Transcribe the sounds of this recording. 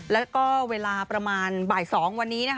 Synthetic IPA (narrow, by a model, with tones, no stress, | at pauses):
lɛː˦˥kɔː˥˩weː˧laː˧pɾa˧maː˧nbaː˨˩jsɔː˩˦ŋwa˧nːiː˦˥na˦˥k